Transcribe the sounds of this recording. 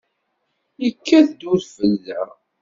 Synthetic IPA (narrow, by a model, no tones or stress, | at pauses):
jəkːæθd̪uɾfəlːæ